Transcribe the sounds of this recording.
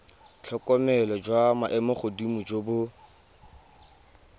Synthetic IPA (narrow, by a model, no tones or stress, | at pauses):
t͡ɬʰɔkʼɔmɛlɔd͡ʒwamaʔɛmɔχʊdimud͡ʒobʊ